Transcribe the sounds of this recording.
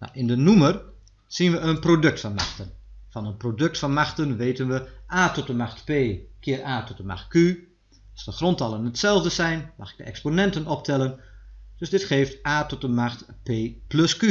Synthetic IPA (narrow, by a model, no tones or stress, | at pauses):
na̰wʔɪndənumər | sinʋəənprodøk̚tfɔnma̰xtənfɔnənprodøk̚tfɔnmaxtənʋeːtənʋəʔaːtɔtəmaxtpeːkʰɪːərʔaːtɔtəma̰xt̚ky | ɑlˠsdəxrɔntɑlˠənətsɛlˠvdəsɛjnmɑxɪ̥ɡ̚dəɛksponɛntənɔp̚tʰɛlˠənd̥øsdɪtχeːftʔaːtɔtəmaxtpeːplɵsky